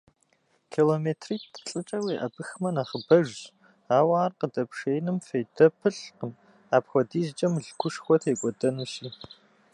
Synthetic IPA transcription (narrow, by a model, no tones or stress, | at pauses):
kʰiloːmeːtʰriːtʰɬʼɨt͡ʃʼɐwiːʔɐ̰bɨxmɐnaːχəbɐʒ | aːwaːrqədɐpʂejnɨmfejdɐpʰɨɬqəm | aːpxʷɔdiːzt͡ʃʼɐmɮkʷʰʊʂxʷɔtʰeːkʷʼɔdɐnuɕiː